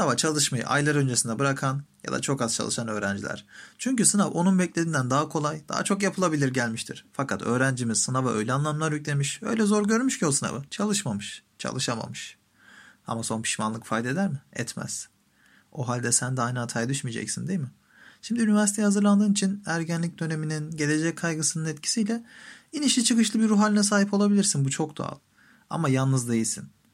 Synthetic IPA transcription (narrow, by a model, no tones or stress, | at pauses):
sɯnavat͡ʃʰalˠɯʃmajɯ̰ʔa̰jlˠaɾø̞nd͡ʒesind̪ɛbɯɾakʰanja̰d̪a̰t͡ʃʰo̞kaz̥t͡ʃʰa̰lˠɯʃanø̞ːɾænd͡ʒḭlʲæ̰ɾ̥t͡ʃʰyɲcysɯnavonunbɛclʲed̪ind̪ænd̪aɦakʰo̞lˠajd̪̥a̰ɦa̰t͡ʃʰo̞kjapʰɯlˠabilʲiɾɟælʲmiʃt̪ʰiɾ̥fakʰat̪ʰø̞ːɾænd͡ʒimiz̥sɯnavaʔø̞̰jlʲɛanlˠamlˠaɾjycʲlʲemiʃø̞̰jlʲɛzo̞ɾɟø̞ɾmyʃcʰiosɯna̰vat͡ʃʰalˠɯʃmamɯʃ | t͡ʃʰa̰lˠɯʃama̰mɯʃ | a̰maso̞npʰi̥ʃmanˠɯkfad̪e̞d̪æɾmɪɛ̰t̪mæ̰z̥ | o̞ɦalʲd̪ɛsænd̪ɛajnaat̪ʰajad̪yʃmijd͡ʒɛ̰csind̪ejmɪ | ʃimd̪iynivæɾsit̪ʰejihazɯɾlˠand̪ɯːnit͡ʃʰinæɾɟænlʲic̚d̪ø̞ne̞mininɟe̞lʲe̞d͡ʒɛc̚kʰajɡɯsɯnɯnɛt̪cʰi̥sijlʲɛiniʃlʲit͡ʃʰɯkɯʃlˠɯbiɾuɦalʲinɛsaːɦipolˠabilʲiɾsinbut͡ʃʰo̞k̚d̪o̰a̰lˠ | a̰majalˠnːɯzd̪e̞jilʲsḭn